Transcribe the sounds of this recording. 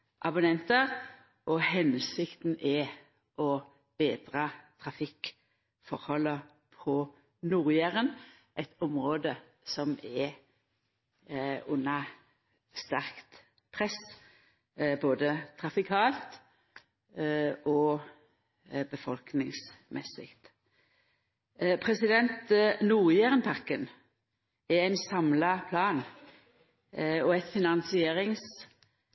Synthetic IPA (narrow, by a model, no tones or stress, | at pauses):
ʔɑbʉnɛnt̪əʁ | ʔɔhɛnsɪkt̪n̩ɛ | ʔɔ | b̥eːd̪ʁɑt̪ʰʁɑfɪk | fɔʁhɔlːə | pʰɔ | nuːʁjæʁən | ʔɛɪt̪ɔmʁoːd̪ə | sɔmɛ | ʉnːɑ | st̪æʁkt̪ | pʰʁɛs | boːd̪ət̪ʰʁɑfɪkʰɑːlt̪ | ʔɔ | bəfɔlknɪŋsmʔɛ̰sɪ̰kt̪ | pʰʁɛsɪd̪ɛnt̪nuːʁjeːʁənpʰɑʁkən | ɛæɪnsɑmlɑpʰlɑːn | ɔɛt̪fɪnɑnsɪeːʁɪŋs